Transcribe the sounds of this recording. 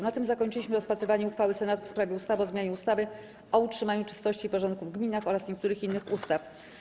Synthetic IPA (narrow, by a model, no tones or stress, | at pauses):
nat̪ɘmzakɔɲt͡ʂɘiɕmɘɾɔspat̪ɾɘvaɲɛuxfawɘsɛnat̪fspɾavʲjɛust̪avɔzmʲjaɲɛust̪avɘ | ɔutʂɘmaɲut͡ʂɘ̥st̪ɔɕt͡ɕiːpɔʐɔ̃nt̪̚kuvɡmʲinaxɔɾasɲɛk̚t̪uɾɘxinːɘxust̪af